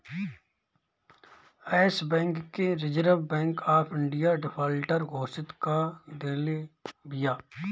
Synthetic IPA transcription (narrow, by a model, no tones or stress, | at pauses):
ɛːsbɛ̃ːŋkːeɾɪd͡ʒɾəʋbɛ̃ːŋkaːpʰɪ̃ɳɖijaɖɪpʰaːlʈəɾɡoːsɪt̪kad̪eːlebijaː